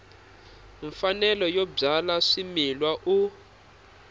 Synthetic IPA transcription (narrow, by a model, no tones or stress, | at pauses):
ɱfanɛlɔjɔb͡ʐalaʂimilwaʔu